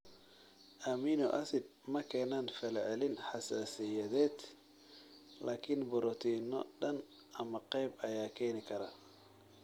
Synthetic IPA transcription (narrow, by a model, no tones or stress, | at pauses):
ʔɐmiːnɔ̰ʔɐsɪd̪̚mɐkʰɛːnaːnfɛlʕɛlɪnħɑsaːsɪjɐðɛːd̪ | laːkʰɪnbʊɾɔt̪ʰiːnɔɗɐn | ɐmɐqɛjbɐjaːkʰɛːnɪkʰɐɾɐ